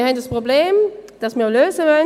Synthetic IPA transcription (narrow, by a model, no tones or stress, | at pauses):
hɛd̥aspʁ̥obleːmd̥asmiːɐløːzəvɔ